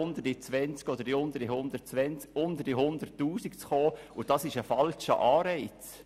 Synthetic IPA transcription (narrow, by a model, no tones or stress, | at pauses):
ʊnd̪əɾit͡sʋɛnt͡skɔd̪əɾdiʊnd̪əɾdihʊndətt͡sʋɛnt͡skʊnd̪əɾdiɦʊnd̪ərtːuːsikt͡sχoːʊd̥ɑsɪʃəfɑlt͡ʃə̰ʔɑːɾɛɪt͡s